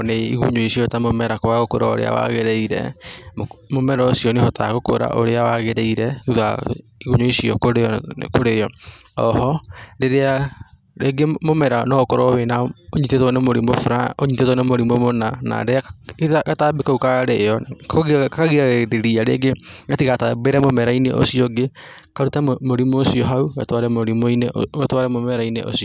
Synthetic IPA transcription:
neiɣṵɲoisiɔtamomɛɾakoaɣokoɾao̰ɾḛa̰wa̰ɣeɾeiɾɛ̰mmomɛɾɔːsiɔnehɔtʰaɣoko̰ɾa̰ʔoɾeawaɣeɾeiɾɛuða̰ | iɣuɲoisiɔkoɾḛkoɾejɔɔhɔdeɾea | ɾeɡemomɛɾanɔkoɾɔwenaoɲitetɔnemoɾimofɾaoɲitetɔnemoɾimomonana̰deaɣatabekaukaɾeɔkkaɣiaɣeɾeɾiaɾḛɡeɡatikatabeɾɛmomɛɾaineʔo̰siɔɡe | kaɾutamoɾimoːsiɔɦauɣatwaɾɛmoɾimoineɣatwaɾɛmomɛɾainḛʔo̰siɔ

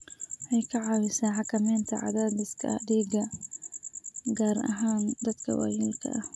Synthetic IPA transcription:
ʔɛjkʰɐʕɑːwɪsaːħɑkʰɐmɛːnt̪ʰɐʕɑ̰ðaːd̪ɪskʰɐ̰ɐ̰ɖiːɡɐ | ɡaːɾɐ̰ɦaːnd̪ɐd̪kʰɐ̰wɑ̰ːjɪlkʰɐ̰ʔɐh

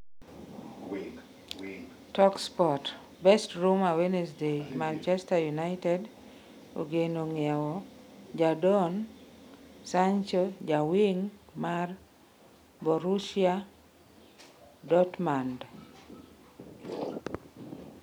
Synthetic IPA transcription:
tɔkspɔt | bɛstɾumawenɛsdemant͡ʃɛstajunaɪtɛd | o̰ɡenoŋiawɔd͡ʒadɔn | sant͡ʃɔd͡ʒawiŋmar | bɔɾuʃia | dɔtmand

